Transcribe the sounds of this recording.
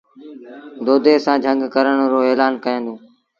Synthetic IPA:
d̪oːd̪eːsãːd͡ʒʱə̃ŋɡkəɾəɳ̃ɾoːeːlaːnkəjə̃ːnd̪oː

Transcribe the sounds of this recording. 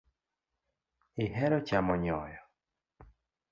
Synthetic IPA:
ɪɦɛɾɔt͡ʃamɔɲɔjɔ

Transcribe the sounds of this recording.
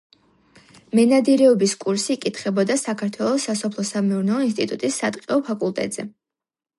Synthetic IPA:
mɛnad̪iɾɛɔbiskʼuɾsiːkʼit̪ʰχɛbɔd̪asakʰaɾt̪ʰwɛlˠɔsːasɔpʰlˠɔsamɛuɾnɛlɔins̬t̪ʼit̪ʼut̪ʼisːat̪ʼqʼɛɔpʰakʼulˠt̪ʼɛ̰t̪ʼz̥ɛ

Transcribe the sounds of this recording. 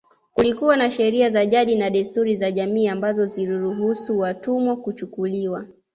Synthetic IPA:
kulikuwanaʃɛɾiazaʄaɗinaɗistuɾizaʄamiːambazɔziɾuɾuɦusuwatumwɔkut͡ʃukuliwa

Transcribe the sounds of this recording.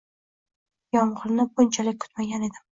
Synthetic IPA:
jɒmʁɨɾnɪɡʊnt͡ʃʰalɪk̚ʲkʰʊ̥t̪maɡʲane̞d̪ɪm

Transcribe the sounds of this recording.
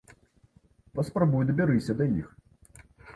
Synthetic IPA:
pɐspɾabujud̪ɐbʲaɾɨsʲɐd̪ɐjix

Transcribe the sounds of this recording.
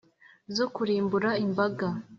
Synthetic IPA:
zo̞kuɾiːmbuɾaimbaɡa

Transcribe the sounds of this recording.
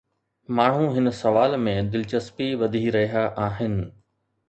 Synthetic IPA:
maːɳ̤ũɦɪnsɐʋaːlmẽd̪ɪlt͡ɕɐspiʋɐd̪ʱiɾɐɦijaʔaːɦɪnɪ̆

